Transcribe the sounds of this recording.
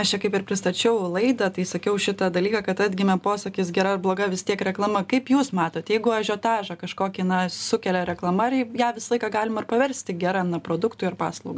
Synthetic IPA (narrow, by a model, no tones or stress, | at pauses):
ɐʃt͡ʃʲɛkɐɪpɪrpʲɾʲɪst̪ɐt͡ʃʲɛʊlˠɐɪd̪ɐt̪ɐɪsɐkʲɛʊʃʲɪt̪ɐd̪ɐlʲiːkɑːkɐt̪ɑːd̪ʲɡʲɪmʲɛpoːsɐkʲiːsɡʲɛɾɐrblˠoːɡɐʋʲɪst̪ʲiɛkɾʲɛklˠɐmɐkɐɪpjuːsmɑːt̪oːt̪jɛɪɡʊɐʒʲoːt̪ɑːʒɐkɐʃkoːkʲinɐsʊkʲɛlʲɛɾʲɛklˠɐmɐɾjæːʋʲɪsɐlˠɐɪkɑɡɑːlʲɪmɐɪrpɐʋʲɛɾʲsʲt̪ʲɪɡʲɛɾɐnɐpɾoːd̪ʊkt̪ʊɐrpɑ̰ːslˠɐʊɡ